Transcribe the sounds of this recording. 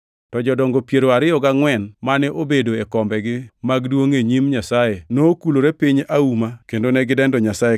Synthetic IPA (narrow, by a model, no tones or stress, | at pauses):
tɔd͡ʒɔdɔŋɡopjeɾoaɾɪjɔɡaŋwɛnmanɛʔobedoekɔmbɛɡɪmaɡdwoŋeɲimɲasajenoːkuloɾepiɲaumakendonɛɡɪdɛndɔɲasae